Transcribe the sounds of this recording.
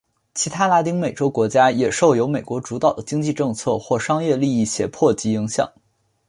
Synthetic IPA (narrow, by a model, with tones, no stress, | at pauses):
t͡ɕʰi˧˥t̪ʰa˥la˧˥t̪̬i˥ŋme˨˩ɪʈ͡ʂo˥ʊkwɔ˧˥t͡ɕja˥jɛ˨˩ʂʊjo˧˥ʊme˨˩ɪkwɔ˧˥ʈ͡ʂu˧˥t̪ɑ˨˩ʊd̪ə˦t͡ɕi˥ŋt͡ɕi˥˧ʈ͡ʂɤ˥˧ŋt͡sʰɤ˥˧xwɔ˥˩ʂɑ˥ŋjɛ˥˧li˥˧i˥˩ɕjɛ̰˨˩pʰwɔ˥˩t͡ɕi˧˥i˧˥ŋɕjɑ̰˨˩˦ŋ